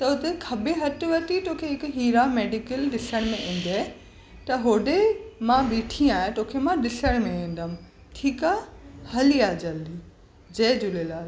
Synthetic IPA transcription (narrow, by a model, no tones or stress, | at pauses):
t̪ɐʊt̪ekʰɐbeɦɐʈʋɐt̪it̪oːkʰeɦɪkɦiːɾameːɖɪkəlɗɪsəɽ̃mẽʔẽːn̆d̪a | t̪ɐɦoːɖemãɓiːʈʰĩaːɦẽt̪oːkʰemãɗɪsəɽ̃mẽẽːn̆d̪əm̆ | ʈʰiːkaːhɐliaːd͡ʑɐli | d͡ʑɐːd͡ʑʊlelaːɾ